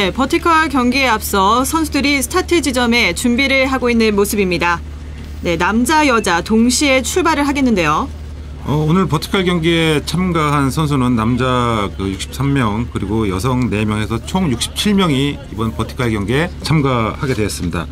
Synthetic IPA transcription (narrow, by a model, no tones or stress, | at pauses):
ne̞pʰʌtʰikʰʌɭkjʌŋɡeeap̚s͈ʌsʰʌnsʰudɯɾisʰɯ̥tʰatʰɯd͡ʑid͡ʑʌme̞t͡ɕumbiɾɯɭɦaɡoinːɯnmosʰɯbimɲida | ne̞namd͡ʑajʌd͡ʑatoŋɕʰie̞t͡ɕʰuɭbaɾɯɭɦaɡe̞nːɯnde̞jo | ʌonɯɭpʌtʰi̥kʰaɭɡjʌŋɡeet͡ɕʰamɡaɦansʰʌnsʰunɯnːamd͡ʑakɯjuk̚ɕ͈i̥p̚s͈ʰamːjʌŋkɯɾiɡojʌs̬ʰʌŋne̞mjʌŋe̞sʰʌt͡ɕʰoŋjuk̚ɕ͈i̥p̚t͡ɕʰiɭmjʌŋiː | bʌnpʌtʰi̥kʰaɭɡjʌŋɡeet͡ɕʰamɡahaɡe̞dwe̞ʌs͈ɯmɲida̰